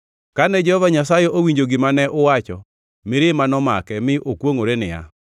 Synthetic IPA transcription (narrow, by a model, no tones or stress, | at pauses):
kanɛd͡ʒɛhɔvaɲasajɛʔowiɲd͡ʒoɡɪmanɛʔʊwat͡ʃɔ | mɪɾɪmanɔma̰kɛmɪʔokwoŋoɾenɪja̰